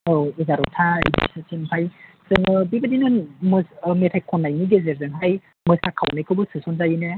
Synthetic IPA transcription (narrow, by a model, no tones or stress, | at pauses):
ezaɾɔ̰tʰa̰jdḭsɯt͡ʃenpʰaj | sɯnɯbibadinɯnmɯsmetʰajkʰɔnːajniɡezeɾzɯŋɦaj | mɯsakʰawnekʰɯbɯsɯsɔnzajɯne